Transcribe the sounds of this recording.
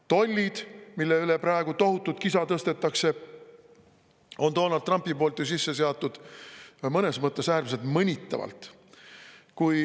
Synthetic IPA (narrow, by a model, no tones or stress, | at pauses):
t̪o̞lʲːid̪̥milːeyleprɑeɡ̥ut̪o̞ɦut̪ˑːut̪̚kisɑt̪ɤst̪e̞t̪ːɑkse̞ | ont̪o̞ːnɑld̪t̪ːˑrɑmpːipo̞ːlt̪jus̬isːe̞se̞ɑt̪ːˑud̪̥ | mɤne̞smɤt̪ːˑe̞sæːrmselt̪mɤnʲit̪ˑːɑ̰vɑ̰lt̪ | kuj